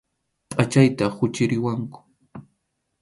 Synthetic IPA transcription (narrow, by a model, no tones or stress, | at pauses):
pʼat͡ʃajt̪ahʊt͡ʃɪɾɪwaŋkʊ̥